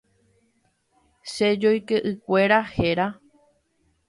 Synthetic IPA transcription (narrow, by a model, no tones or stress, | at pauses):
ʃed͡ʒojkeʔɨkʷe̞ɾaheɾa